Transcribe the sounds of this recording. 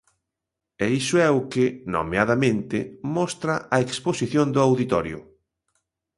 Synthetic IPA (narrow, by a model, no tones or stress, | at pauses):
ɛisʊɛʊkɪno̰meaðamẽnt̪ɪmɔst̪ɾɐʔaeksposiθjond̪ʊawðit̪ɔɾjʊ̰